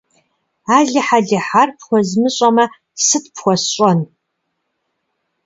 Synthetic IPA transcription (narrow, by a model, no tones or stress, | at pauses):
aːɮɨħaɮɐħarpʰxʷɔzmɨɕʼɐmɐ | sɨtpʰxʷɔsɕʷʼɔn